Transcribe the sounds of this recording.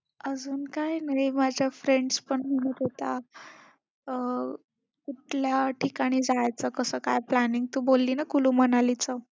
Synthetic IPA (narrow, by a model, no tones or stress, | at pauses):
əd͡zuːnkajnaijmad͡ʑʱjafɾeɳɖspəɳməɽ̃ut̪et̪a | kuʈljaʈʰikaɽ̃iːd͡zajt͡səkəsəːkajplaniŋɡ̚t̪uːbolːiːnakuluːmənalit͡sə